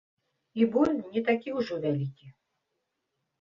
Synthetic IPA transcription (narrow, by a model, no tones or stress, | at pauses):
ibɔlʲnʲɛt̪akʲiwʐɔvʲalʲikʲi